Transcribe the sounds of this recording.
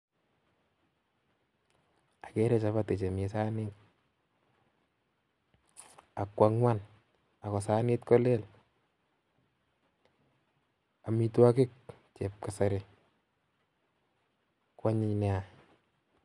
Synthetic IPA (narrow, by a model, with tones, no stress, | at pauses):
a˨ke˦ɾɛ˦t͡ʃa˨˦βa˦te˨t͡ʃe˨me˨sa˦nɪt̚ | a˨kwa˨ŋwa˦n | a˨kɔ˨saː˦nɪ˦tkɔ˦le˦l | a˨mi˨twa˦kɪ˦k̚ | t͡ʃe˨p̚ka˨sa˨ɾe˨ | kwa˦ɲɪ˦ɲnɛ˨a˨